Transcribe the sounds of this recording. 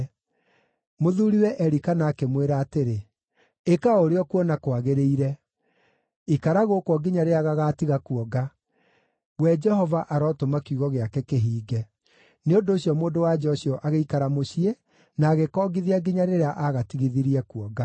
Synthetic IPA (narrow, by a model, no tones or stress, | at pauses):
moðuɾiwɛʔɛɾikanaːkemweɾaːteɾe | ekaoɾeɔkuɔnakoaɣeɾeiɾɛ | ikaɾaɣokwɔɡiɲaɾeaɣaɣaːtiɣakuɔɡa | wɛd͡ʒɛhɔvaʔaɾɔtomakuɣɔɣeakɛkeɦiːɡɛ | neondoːɕijɔmoːndowad͡ʒɔɕjɔʔaɣeikaɾamoɕie | naːɣekɔːɡiðiaɡiɲaɾeɾeaʔaɣatiɣiðiɾiɛkuɔɡa